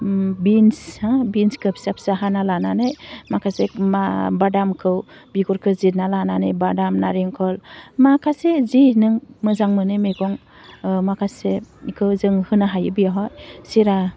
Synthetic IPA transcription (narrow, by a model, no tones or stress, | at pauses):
binsabinskʰɯpsap̚saɦanalananɯjmakʰasemabadamkʰɯwbiɡɔɾkʰɯzitnalananɯjbadamnaɾeŋkʰɔlmakʰasezinɯŋmɯzaŋmɯnɯmeɡɔŋ | makʰasekʰɯwzɯŋhɯnaɦajɯbijaɦɔjsiɾa